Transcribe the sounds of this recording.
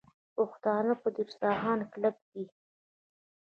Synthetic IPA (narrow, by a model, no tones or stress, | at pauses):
pʊxt̪ɑnapəd̪iɾsɑɦɑnklap̚d̪i